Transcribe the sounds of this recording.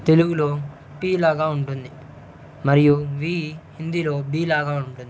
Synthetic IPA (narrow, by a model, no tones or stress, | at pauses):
t̪e̞luɡuloː | piːlaːɡaːuɳʈund̪i | mɐɾijuʋiːhind̪ilo̞ːbiːlaːɡaːuɳʈund̪i